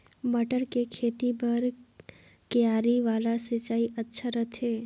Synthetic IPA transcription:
bɐʈəɾkekʰeːt̪ipɐɾ | kjaːɾiʋaːlaset͡ʃaːiʔɐtːʃʰaɾɐt̪ʰeː

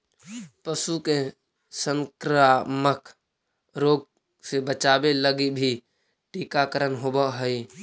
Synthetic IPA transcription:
pəsuke | səŋkɾaːmək | ɾoːɡ̚ | sebət͡ʃaːbeləɡibʱi | ʈiːkakəɾənɦobəɦəi

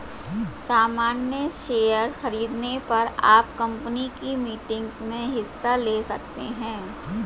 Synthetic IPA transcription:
saːmaːnjəʃeːjəɾxɐɾiːd̪nepɐɾaːpkɐ̃mpənikimiːʈɪ̃ŋɡsmẽɦɪsːaleːsɐk̚t̪ḛɦɛ̃ː

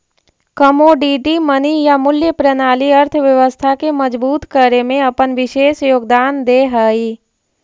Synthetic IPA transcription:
kəmoɖiːɖimənijamʊljəpɾənaːliəɾt̪ʰəʋjəʋəst̪ʰakeməd͡ʒbuːt̪kəɾemẽɐpənʋɪʃeːʃjoːɡ̚d̪aːnd̪eɦəiː

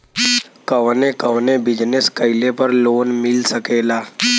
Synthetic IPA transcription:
kəʋnekəʋnebid͡ʑneskəjlepəɾlonmilsəkela

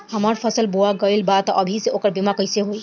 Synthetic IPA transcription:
həməɾpʰəsəlbuaɡəlbat̪ʔəbʱisẽokəɾbimakəjseɦoj

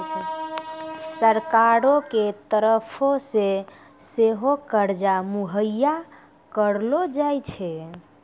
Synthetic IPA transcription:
səɾkaɾoket̪əɾəpʰose | seɦokəɾd͡ʒamuɦəjːa | kəɾlod͡ʒajt͡ʃʰɛ

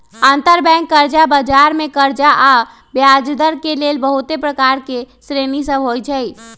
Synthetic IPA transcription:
ant̪əɾbɛ̃ŋkːəɾd͡ʒabad͡ʒaɾmẽkəɾd͡ʒaʔa | bjad͡ʒd̪əɾkelelbəɦut̪epɾəkaɾkesɾenisəbʱɦojt͡ʃʰəj

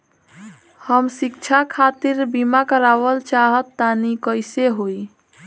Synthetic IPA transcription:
həmsikt͡ʃʰakʰat̪iɾbimakəɾabəlt͡ʃaɦət̪ːanikəjseɦoj

